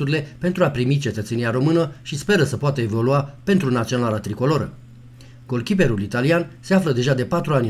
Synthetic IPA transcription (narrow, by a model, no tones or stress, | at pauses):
uɾile̞pent̪ɾuapɾimit͡ʃe̞t̪ət̪seniaɾo̞mɨnəʃispe̞ɾəsəpoat̪əe̞vo̞luape̞nt̪ɾunat̪sio̞nalat̪ɾiko̞lo̞ɾə̰ | ɡ̥o̞lkʲipe̞ɾulit̪alianse̞afləd̪e̞ʒad̪e̞pat̪ɾuanʲ